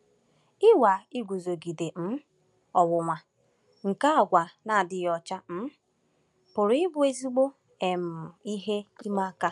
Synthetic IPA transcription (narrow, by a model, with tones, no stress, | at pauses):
ɪ˦wa˨i˦ɡʷu˨zo˨ɡi˨de˨m̩˦ | ɔ˨wʊ˨ŋʷa˨ | ŋ̩˨ka˦a˨ɡʷa˨na˨dɪ˦jɔ˨t͡ʃa˦m̩˦ | pʊ˨ɾɪ˦bʊ˦e˦zi˦ɡ͡bo˦ | e˨m̩˨i˦ɦe˦i˦ma˦a˦˨ka˦